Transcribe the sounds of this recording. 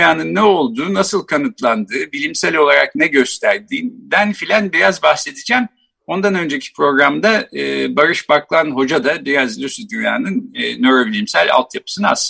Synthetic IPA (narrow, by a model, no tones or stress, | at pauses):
jaːnɯnːɛo̞lˠd̪uːnasɯlˠkʰanɯt̪lˠand̪ɯːbilʲimsælʲo̞lˠaɾa̰knɛɟø̞st̪ʰæɾd̪iːnb̪ænfilʲænbiɾazbaxse̞t̪ʰid͡ʒæm | o̞nd̪anø̞nd͡ʒecʰi̥pɾo̞ɡɾamd̪abaɾɯʃbaklˠanɦo̞d͡ʒad̪abiɾazlʲysyd̪ynja̰ːnɯnːøɾobilʲimsælʲa̰lˠt̪ʰjapʰɯ̥sɯnaa̰s